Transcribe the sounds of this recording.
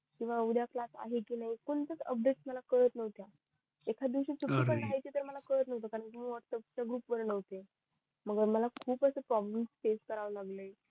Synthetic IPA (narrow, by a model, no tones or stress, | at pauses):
kĩw̃ʋaud̪jaklasa̰ɦekiːnaɦikoɳt̪ət͡sə̰p̚ɖeʈsməlakəɾət̪nəʋt̪ja | ekʰad̪iʋɕiːsuʈːipəɳːaɦit̪it̪əɾməlakəɾət̪nəʋt̪okaɾəɳkiməʋəɾsəp̚t͡ɕaɡɾuːpʋəɾnəʋt̪e | məɡəməlakʰuːpəsəpɾɔbləmsfeskəɾaʋlaɡləj